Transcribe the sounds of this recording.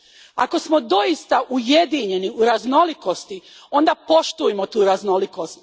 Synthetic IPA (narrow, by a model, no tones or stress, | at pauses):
ako̞smo̞d̪o̞jist̪aʔujed̪iɲe̞niuɾaznoliko̞st̪i | o̞nd̪apo̞ʃt̪ujemot̪uːɾazno̞liko̞st̪